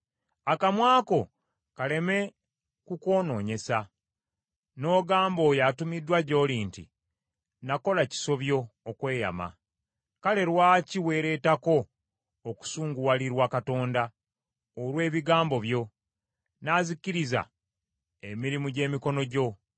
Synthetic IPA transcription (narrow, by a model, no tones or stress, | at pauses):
akamwaːko̞ | kale̞me̞ | kuko̞ːno̞ːɲe̞sa | no̞ːɡaːmbo̞ːjatumidːwaɟo̞ːliːntḭ | nako̞laci̥so̞βjo̞ːkwe̞ːja̰ma̰ | kale̞ɾwaːciwe̞ːɾe̞ːtako̞ː | ku̥suːŋɡuwaliɾwakato̞ːnda | olwe̞ːβiɡaːmbo̞βjo̞ | naːzikːiɾiza̰ | emiɾimuɟe̞ːmiko̞no̞ɟo̞